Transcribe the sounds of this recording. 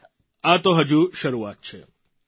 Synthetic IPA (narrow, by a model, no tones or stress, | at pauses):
at̪oɦəd͡ʒuʃəɾuat̪̚t͡ʃʰe